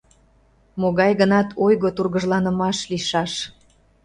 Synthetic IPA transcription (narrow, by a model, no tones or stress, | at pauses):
moɣɑjɣənɑt̪ʰojɣot̪urɣəʒlɑnə̆mɑʃliʃɑʃ